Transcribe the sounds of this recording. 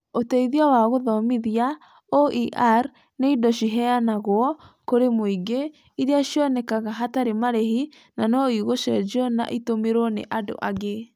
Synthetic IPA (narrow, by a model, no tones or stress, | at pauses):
otɛiðiawaɣoðɔmiðia | oiʔaɾ | neidɔɕiɦɛanaɣwɔkoɾemoiɡe | iɾeaʃjɔnɛkaɣaɦataɾemaɾɛhi | nanɔiɣoʃɛd͡ʒɔna̰ʔitomeɾonḛʔado̰ʔaɣe